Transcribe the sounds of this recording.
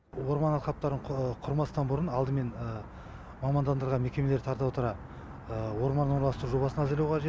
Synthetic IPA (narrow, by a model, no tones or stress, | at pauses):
wo̞ɾmɑnɑlˠq̪ʰɑp̚t̪ɑɾəɴqʰʊɾmɑst̪ɑnbʊɾənɑlˠd̪əme̞nə | mɑmɑnd̪ɑnd̪əɾʁɑme̞kʲe̞me̞le̞ɾt̪ʰɑɾt̪ɑpwot̪əɾɑ | əwo̞ɾmɑnəɴɾlˠɑst̪əɾuʒo̞bɑsənɑzelewqʰɑʒe